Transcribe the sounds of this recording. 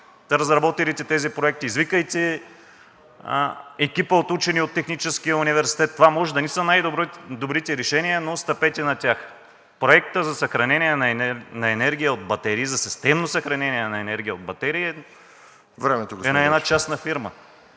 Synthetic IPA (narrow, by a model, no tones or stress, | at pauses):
ɾɐzɾɐbɔt̪ilit̪ɛt̪ɛzipɾoɛk̚t̪iːzvikəjt̪ɛ | ɛkʲipəot̪ut͡ʃɛniot̪ːɛxnit͡ʃɛskijəunivɛɾsi̥t̪ɛt̪ːovamɔʒɛd̪ɐnisənajd̪od̪obɾit̪ɛɾɛʃɛnijənost̪ɐpɛt̪ɛnɐt̪ʲax | pɾoɛk̚t̪əzɐsɐxɾɐnɛniɛnɐɛnɐɛnɛɾɡ̟ʲijəod̪̚bɐt̪ɛɾiːzɐsi̥st̪ɛmnosɐxɾɐnɛniɛnɐɛnɛɾɡʲijəod̪̚bɐt̪ɛɾiːɛ | vɾɛmɛt̪oɡoɛɐɛnat͡ʃasnɐfiɾmə